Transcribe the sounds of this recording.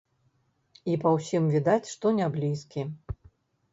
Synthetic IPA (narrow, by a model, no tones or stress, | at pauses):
ipɐwsʲimvʲid̪at͡sʲʂt̪ɔnʲablʲiskʲi